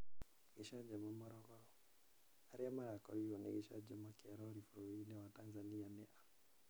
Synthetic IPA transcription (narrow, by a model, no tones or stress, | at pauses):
ɡɛʃad͡ʒamamɔɾɔɡɔɾɔ | aɾiamaɾakɔɾiɔnɛ̰ɡɛʃad͡ʒɔmakaɾɔɾifɔɾɔinɛwatanzanianɛʔa